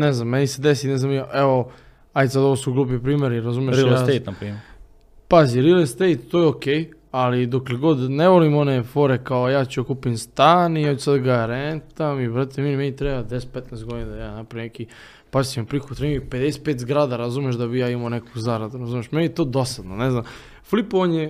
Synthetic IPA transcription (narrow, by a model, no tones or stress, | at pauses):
neznamːenised̪esineznamjaeo | ajd̪esad̪oosuɡlˠuːp̬ipɾiːmeɾiɾazumieɾilasaet̪napɾiːme | paziɾilest̪ejt̪t̪ːoːjeokej | alid̪okleɡod̪neʋolimonefoɾekaojaːt͡ʃeokupimst̪aːniot͡ʃsad̪ɡaɾent̪amibɾat̪it̪eminmenit̪ɾebad̪eset̪̚pet̪nejsɡo̞d̪inad̪ajaːnapɾaʋineki | pazisianpɾikot̪ɾeimped̪ese̥t̪̚peːt̪ɡɾaːd̪aɾazumjeʃ̬d̪abijaːimaonekoɡuzaɾad̪uɾazumjeʃmenit̪oːd̪osad̪noneznam | flipoonje